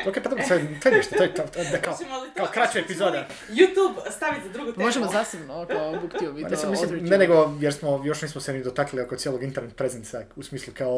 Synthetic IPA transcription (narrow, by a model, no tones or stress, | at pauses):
okejpad̪obɾoset̪ojeneʃt̪ot̪ojet̪at̪od̪akaokaokɾat͡ɕaepizod̪e | jut̪ubst̪aʋit̪zad̪ɾuɡut̪emoʒemozaːsebnokaobukt̪iobit̪essimislimneneɡojeɾsmojo̞ʃniːsmosenid̪ot̪akliliokojeloɡint̪eɾnet̪̚pɾezent̪sausmiːslˠukao